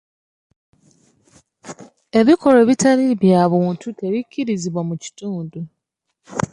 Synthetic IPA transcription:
e̞βiko̞le̞βitaliβjaβuːntʰute̞βicːiɾiziβwamuci̥tuːndu

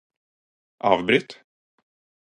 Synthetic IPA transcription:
ʔɑːvbɾɪt̪

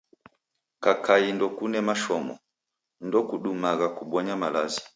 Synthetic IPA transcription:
kakaindɔkunɛmaʃɔmɔ̰ | ndɔkuɗumaɣakuɓɔɲamalazi

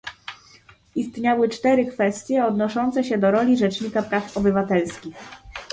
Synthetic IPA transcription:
ist̪ɲawɘt͡ʂt̪ɛɾɘkfɛst̪ʲjɛɔd̪nɔʂɔnt̪sɛɕɛd̪ɔɾɔlʲiʐɛt͡ʂɲikapɾafɔbɘvat̪ɛlskʲix

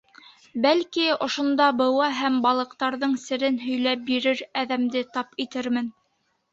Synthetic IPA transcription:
bælkiŏʃŏnd̪ɑbɤ̆wɑɦæmbɑlˠɤ̆qt̪ɑɾðɤɴsɘ̆ɾɘnɦɵ̆jlæp̚biɾɘɾæðæmd̪ɘt̪ɑpit̪ɘɾmɘn

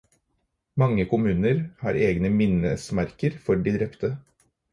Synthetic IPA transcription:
mɑŋːəkʊmʉːnəɾhɑ̰ːɾeːɡnəmɪnəsmæɾkəɾfɔɖiːd̪ɾɛpt̪ʰə

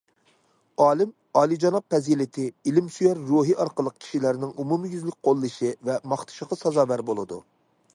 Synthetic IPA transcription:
ɑːlˠɪm | ɑːlˠid͡ʒɑnɑq̚pɛzilɪt̪ʰɪilɪmsyjɛɾːuɦiʔɑɾqəlˠːəq̚kʲʰi̥ʃilæɾnɪŋumumɨjyzlɪk̚ʲqʰolˠːɨʃivɛmɑχt̪ʰɨ̥ʃəqɑsɑzɑːvæɾbolˠɨd̪ṵ

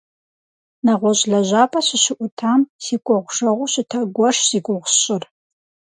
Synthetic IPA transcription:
nɐʁʷɔɕʼɮɐʑaːpʼɐɕɪɕɪʔʷʊtʰaːmsiːkʷʼɔʁʷʊʂɐʁʷʊɕɪtʰɐɡʷɔʂsiːɡʷʊʁʷɕʼɪr

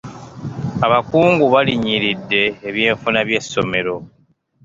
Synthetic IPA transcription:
aβakuːŋɡuβaliɲiɾidːe̞ːβje̞ːɱfunaβje̞sːo̞me̞ɾo̞

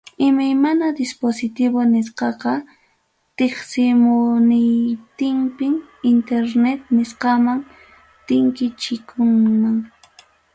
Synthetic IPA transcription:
ɪmajmanad̪ɪsposɪt̪ɪβonɪsqɑqɑ | t̪eχsɪmʊnɪjt̪ɪmpɪɪnt̪eɾnet̪nɪsqɑmaŋ | t̪ɪŋkɪt͡ʃɪkʰʊŋmaŋ

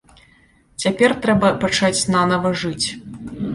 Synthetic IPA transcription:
t͡sʲapʲɛrt̪ɾɛbɐpat͡ʂat͡sʲnanɐvɐʐɨt͡sʲ

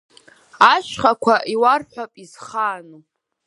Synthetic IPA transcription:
aʃχakʷʰaʔiwarħʷapʼizχaːno

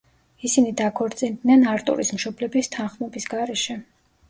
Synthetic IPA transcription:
isinid̪akʰɔɾt̪sʼind̪nɛnaɾt̪ʼṵɾismʃɔblɛbist̪ʰanχmɛbisɡaɾɛʃɛ

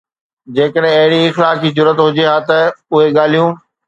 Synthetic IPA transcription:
d͡ʑeːkəɗɦɪ̃ɐɦɪɽiɪxlaːkiːd͡ʑʊɾət̪ɦʊd͡ʑeɦaːt̪ɐʊɦeɠaːl̤ijũː

